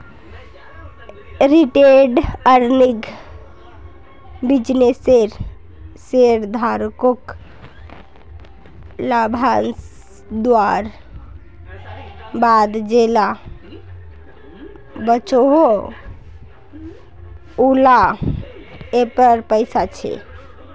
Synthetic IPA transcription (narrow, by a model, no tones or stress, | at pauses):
ɾiʈeɖəɾniɡ | bid͡ʒneseɾ | seɾd̪ʱaɾkok | labʱans | d̪waɾ | bad̪d͡ʒela | bət͡ʃoɦo | ula | epəɾpəɪsat͡ʃʰɛ̰